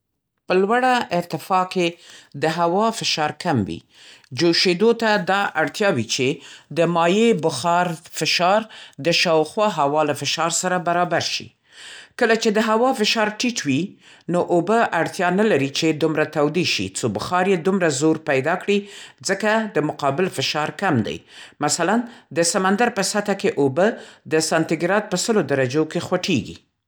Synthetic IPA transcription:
pəlwaɽaʔɪɾt̪ɪfɑked̪əɦawɑfɪʃɑɾkʰamwḭ | d͡ʒoʃed̪ot̪ad̪ɑaɽt̪jɑwit͡ʃed̪əmɑjebʊxɑɾfɪʃɑɾd̪əʃɑwxwɑɦawɑlafɪʃɑɾsaɾabaɾɑbaɾʃḭ | kəlat͡ʃed̪əɦawɑfɪʃɑɾʈiʈwi | noʔobəʔaɽt̪jɑnalaɾit͡ʃed̪umɾat̪awd̪iʃḭt͡sobʊxɑɾjed̪umɾazoɾpajd̪ɑkɽid͡zəkad̪əmʊqɑbɪlfɪʃɑɾkamd̪a̰jmasaland̪əsamand̪aɾpəsat̪akeʔobəd̪əsɑnt̪ɪɡɾɑd̪̚pəsəlod̪aɾad͡ʒokexwaʈʰeɡḭ

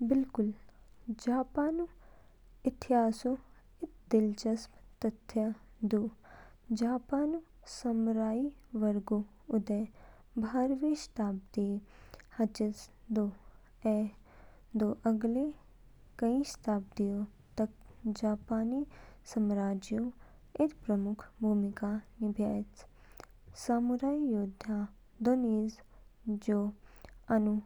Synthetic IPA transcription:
bɪlkʊld͡ʒaːpaːnu | ɪt̪ʰɪjaːsu | ɪt̪d̪ɪlt͡ʃɐsmt̪ət̪ʰːjad̪uː | d͡ʒaːpaːnu | sɐmɾaːiːʋəɾɡu | ʊd̪ɛː | bʱaːɾʋeʃt̪aːp̚d̪ihɐt͡ʃəsd̪oː | ɛ | d̪oːʔɐɡle | kɐĩʃt̪aːb̚d̪ijo | t̪ɐk̚d͡ʒaːpaːniːsɐmɾaːd͡ʒjõ | et̪pɾɐmʊkʰbʱuːmikanibʱjaːt͡s | saːmuɾaːijoːd̪ʱã | d̪oniːz | d͡ʒoːɐnu

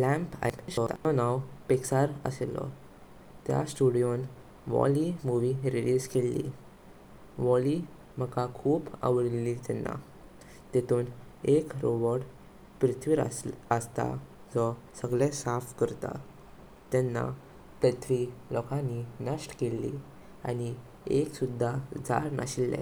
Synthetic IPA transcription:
læ̃mpa̰ɕɔaɔnawpeksaɾə̰selɔ̰ | t̪ja̰sʈuɽijon | ʋɔ̰limuʋiɾiliskelːḭ | ʋɔli | m̤əkakʰuːbə̰ʋɽilit̪ɛnːa̰ | t̪ɛt̪uːnekɾoʋɔɾɽ | pɾit̪ʰʋiɾa̰əst̪a̰ | d͡zɔ | səɡlesafkəɾt̪a̰ | t̪ɛnːa̰ | pɾət̪ʰʋilɔkʰaninəʂʈkelːḭ | añi | eksud̪ʱːad͡za̰ɾna̰ɕilːɛ̰̃

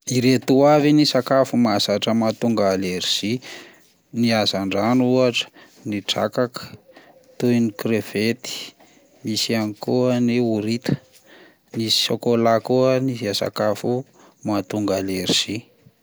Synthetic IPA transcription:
iɾet̪uavinisakafumasaʈ͡ʂəmat̪uŋɡaleɾiz̥i | niazaɳɖ͡ʐanuaʈ͡ʂə̥ | niʈ͡ʂa̰kakə̥ | t̪ujnikɾev̥et̪i̥ | misianikuaniuɾit̪ə̥ | nisi̥sokolakuənizasa̰kafu | mat̪uŋɡaleɾiz̥i

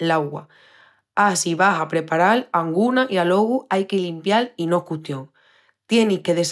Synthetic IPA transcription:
laɣwa̰ | asiβaɦapɾe̞paɾalaŋɡunaʔialo̞ɣuajkelimpjalino̞kut̪joŋ | t̪je̞nihke̞ðe̞s

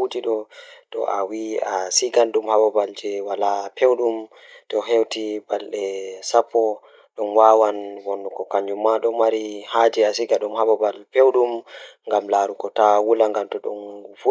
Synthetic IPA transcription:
ud͡ʒiɗɔtɔ̰ʔawiasiɡanɗumhabɔbald͡ʒɛwalapʰewɗum | tɔɦewtibalɗɛsapːɔ | ɗɔnwawanwɔnːukɔkaɲd͡ʒumːaɗɔmaɾihad͡ʒiasiɡaɗumhabɔbalpewɗumŋɡamlaɾukɔtawulaŋɡamtɔɗɔnfu

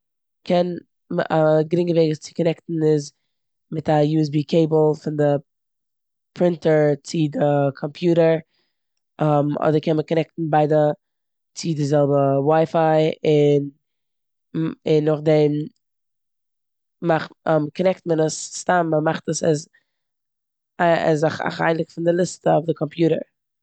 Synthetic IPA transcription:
kʰɛn | m̰aɡɾɪŋɡəveɪɡəst͡sɪ̥kɔnɛktn̩ɪz | mɪtajuːɛs̬biːkʰeɪbl̩ˠfɪndɪ | pʰɾɪntəɹt͡sɪdɪkʰɔmpʰjuːɾəɾ | ʔɔmɔ̰dəɾkɛnməkɔnɛk̚tn̩baɪdə | t͡sɪdɪzɛlˠbəwaɪfaɪɪn | ɪnːʊχdɛm | maχɔmkɔnɛktmənəsstamːəmaχtəsa̰z | ɛ̰zaχa̰χa̰ɪlˠɪkfɪndɪlˠɪstəɔfdəkʰɔmpʰjuːɾə̰ɹ

